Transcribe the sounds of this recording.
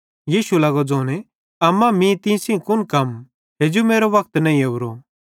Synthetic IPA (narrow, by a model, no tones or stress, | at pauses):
jiːʃulɐɡɔd͡zoːnɛ | ɐmãmĩt̪ĩsĩkʊnkɐm | ɦed͡ʒumeːɾoʋɐk̚t̪nɐ̃ːĩɐʊɾo